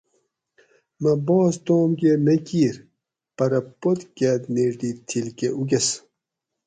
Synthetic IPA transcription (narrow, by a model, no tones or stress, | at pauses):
mɐbɔːst̪oːmɡemekiːɾ | pɐɾɐpot̪kʲæt̪neʐɖ̪iːt̪ʰilkeʔuɡes